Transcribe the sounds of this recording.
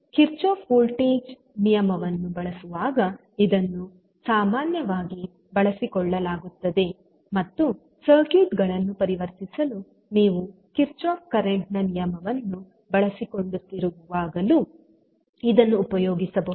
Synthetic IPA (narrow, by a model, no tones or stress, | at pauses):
kiɾt͡ʃoːpʰuːlʈiːd͡ʒ | nijɐmɐʋɐnːubɐɭɐsuʋaːɡɐ | id̪ɐnːu | saːmaːnjɐʋaːɡi | bɐɭɐsikɔɭːɐlaːɡut̪ːɐd̪e̞ | mɐt̪ːu | sɐːkiːʈɡɐɭɐnːupɐɾiʋɐɾt̪isɐlu | niːʋukiɾt͡ʃoːp̚kɐɾeɳʈnɐnijɐmɐʋɐnːu | bɐɭɐsikoɳɖut̪ːiɾuʋuʋaːɡɐlu | id̪ɐnːuːpɐjɔːɡisɐbɐu